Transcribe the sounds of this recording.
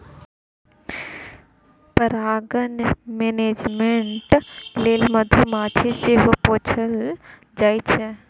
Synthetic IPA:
pəɾaːɡənmeːneːd͡ʒmeɳʈleːlməd̪ʱumãːt͡ʃʰeseɦpoːt͡ʃʰəl | d͡ʒaːit͡ʃʰe

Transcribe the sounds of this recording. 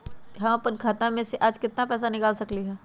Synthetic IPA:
ɦãpənkʰaːt̪ãmẽseʔaːd͡ʒkɪt̪napɛːs̬anɪkaːlsɐkliɦɛː

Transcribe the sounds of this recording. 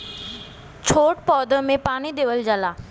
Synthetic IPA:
t͡ɕʰoːʈpɔːd̪əmẽpaːñid̪eːʋəld͡ʑalaː

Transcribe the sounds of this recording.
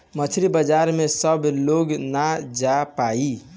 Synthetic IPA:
mət͡ʃʰɾibəd͡ʒaːɾmẽsəbloːɡnad͡ʒapaːi

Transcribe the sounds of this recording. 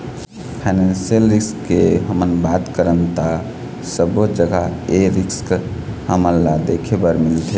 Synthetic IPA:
pʰaɪnensijəlɾiskːeɦəmənbat̪kəɾənt̪a | səbod͡ʒəɡaeɾiskhəmənːad̪ekʰebəɾmilt̪ʰe

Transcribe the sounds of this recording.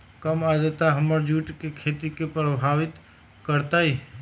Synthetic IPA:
kəmad̪ət̪aɦəməɾd͡ʒuːʈkekʰeːt̪ikepɾəbʱaːʋɪt̪ | kəɾt̪aɦi

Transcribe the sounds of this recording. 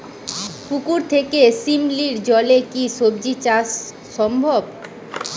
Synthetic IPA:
fukuɾt̪ʰekesimliɾd͡ʑɔlekiʃob̚d͡ʑit͡ɕas | ʃɔmbʱob

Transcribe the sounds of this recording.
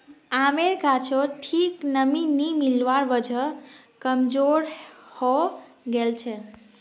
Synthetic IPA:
ameɾɡʱat͡ʃʰoʈʰiknəminimilʋaɾʋəd͡ʒʱə | kəmd͡ʒoɾhɔ | ɡelt͡ʃʰɛ

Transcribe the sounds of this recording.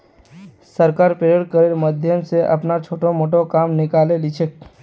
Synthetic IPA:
səɾkaɾpɾəɾeɽkəɾelməd̪ʱjəmseʔə̰pnat͡ʃʰoːʈomoːʈokamnɪkalelit͡ʃʰe

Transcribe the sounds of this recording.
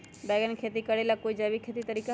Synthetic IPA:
bɛːɡənkʰeːt̪̬ikɐɽelakoid͡ʒaːbikʰeːt̪it̪ɐɾiːka

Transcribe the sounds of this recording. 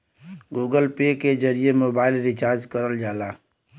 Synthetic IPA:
ɡuːɡəlpeked͡ʒəɾijemoːbaːɪlɾɪt͡ʃaːɾd͡ʒkəɾəld͡ʒaːlaː

